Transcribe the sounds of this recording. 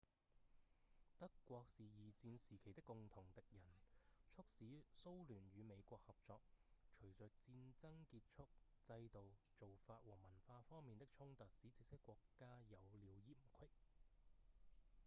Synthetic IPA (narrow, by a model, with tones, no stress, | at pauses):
t̪ɐ˥kːʷɔː˧k̚siː˨jiː˨˩t͡siː˧nsiː˨˩kʰe˨˩jt̪ɪ˥kːʊ˨ŋt̪ʰʊ˨˩ŋt̪ɪ˨k̚jɐ˨˩nt͡sʰʊ˥k̚siː˨˥so˥wlyː˨˩nɥyː˨˧me˨˧jkʷɔː˧k̚hɐ˨p̚t͡sɔː˧k̚t͡ʃʰɵ˨˩ɥt͡sœː˨˩k̚t͡siː˧nt͡sɐ˥ŋkiː˧t̚t͡ʃʰʊ˥k̚t͡sɐ˧jt̪o˨w | t͡so˨wfaː˧t̚wɔː˨˩mɐ˨˩nfaː˧fɔː˥ŋmiː˨nt̪ɪ˥k̚t͡ʃʰʊ˥ŋt̪ɐ˨t̚siː˨˥t͡sɪ˧k̚sɪ˥kːʷɔː˧kːaː˥jɐ˨˧wliː˨˧wjiː˨mkʷʰɪ˥k̚